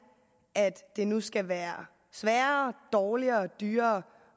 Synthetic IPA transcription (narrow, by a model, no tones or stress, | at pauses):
ʔæd̥ːe̝nusɡ̥æʋæːɐ | sʋæːɐɐd̥ɒːliɐd̥yːɐ